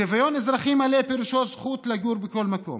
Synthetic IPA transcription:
evajonezɾaχimːalepeɾuʃozχut̪laɡuɾbeko̞lmako̞̰m

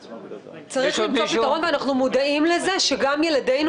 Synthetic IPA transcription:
t͡saʁiχoʃitaʁo̞nveanaχnumodaimleze̞ʃeɡamje̞lade̞jn

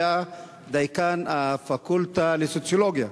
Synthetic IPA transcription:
a | d̪ajkanafakult̪alisot͡sjoloɡia

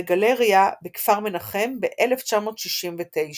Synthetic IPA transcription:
ɡaleʁijabekfaʁme̞naχe̞mbeʔeleft͡ʃamo̞ːt̪ʃiʃimvet̪ejʃ

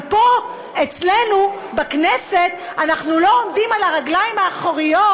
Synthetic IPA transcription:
po | et͡slenu | bakneset̪ | anaχnulo̞omdimalaʁaɡlajimhaːχoʁijo

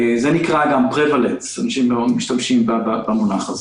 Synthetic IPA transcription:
zenikʁaɡampʁevalensanaʃimlomiʃtamʃimbababamunaχaze

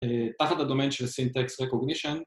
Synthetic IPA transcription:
et̪aχat̪had̪o̞menʃelsint̪eksʁekoɡniʃon

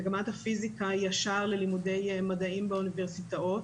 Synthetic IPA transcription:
ɡamat̪hafizikajaʃaʁlelimude̞jmadaimbeuniveʁsitaot

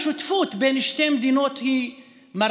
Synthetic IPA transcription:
ʃut̪fut̪benʃtejmd̪inot̪hi | ma

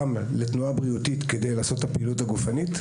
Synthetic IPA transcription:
m | letnuabʁiutit̪kede̞jlaːso̞t̪hapeiluthaɡufanit̪

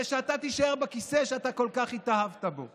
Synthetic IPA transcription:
ʃeat̪at̪iʃaeʁbekiseʃeat̪ako̞lkaχit̪aɦavt̪abo̞̰

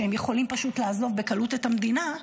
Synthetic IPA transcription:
ehemjeχo̞limpaʃutlaːzo̞vbekalutetamd̪ina

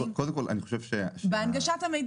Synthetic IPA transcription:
kod̪emkolʔa̰niχo̥ʃevʃebeanɡaʃathamejd

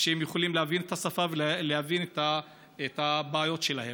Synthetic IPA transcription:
ʃeemjuχolimlehavinet̪ʰasafavellehavinet̪a | et̪abaːjo̞tʃelahe̞m

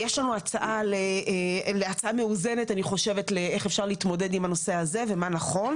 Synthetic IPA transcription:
jeʃlanuat͡saʔalele̞at͡saʔame̞uze̞netaniχo̞ʃe̞vetleeχefʃaʁliːtmo̞de̞dimhano̞se̞aze̞ve̞manaχo̞n

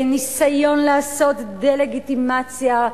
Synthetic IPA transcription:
nisajo̞nlaːso̞t̪d̪ele̞ɡit̪imat͡sja

